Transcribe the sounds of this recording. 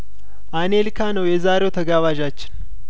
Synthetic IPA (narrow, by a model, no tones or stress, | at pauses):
ʔanelkʰanəwjɛzaːɾewt̪ʰəɡaːβaːʒat͡ʃːɪ̥n